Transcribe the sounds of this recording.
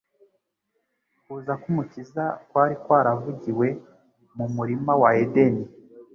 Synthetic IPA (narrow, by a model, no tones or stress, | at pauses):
kuːzakumucizakwaːɾikwaːɾavuɟiwe̞ | mumuɾimawaedeni